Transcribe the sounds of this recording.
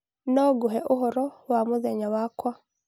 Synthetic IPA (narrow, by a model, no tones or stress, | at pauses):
noɡuɦeʔuɦoɾowamuzeɲawakwa